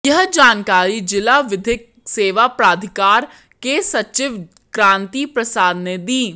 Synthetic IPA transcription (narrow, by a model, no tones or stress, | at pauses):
jɐɦd͡ʒaːnkaːɾid͡ʒɪlaʋɪd̪ʱɪk̚ | seːʋapɾaːd̪ʱɪkaːɾ | kesɐt͡ʃɪʋ | kɾãːnt̪ipɾɐsaːd̪ned̪iː